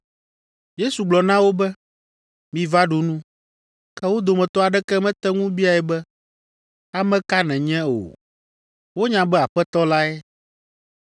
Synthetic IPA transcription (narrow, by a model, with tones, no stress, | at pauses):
je˦su˨ɡ͡blɔ˨nã˦wo˦bɛ˦ | mĩ˨va˦ɖu˨nũ˦ | kɛ˦wo˦d̪o˨mɛ̃˨t̪ɔ˦a˨ɖɛ˦kɛ˦mɛ̃˦t̪ɛ˦ŋũ˦bi˦a˨ɛ˨bɛ˦ | a˨mɛ̃˦ka˦nɛ̃˨ɲɛ̃˦o̰˨ | wo˦ɲã˨bɛ˦a˨ɸɛ˦t̪ɔ˦la˦ɛ˦